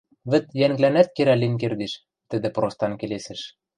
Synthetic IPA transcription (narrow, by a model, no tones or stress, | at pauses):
βɘ̆t̪jæŋɡlænæt̪̚keɾælinʲk̬erd̪eʃ | t̪ɘ̆d̪ɘ̆prost̪ɑnkelesɘ̆ʃ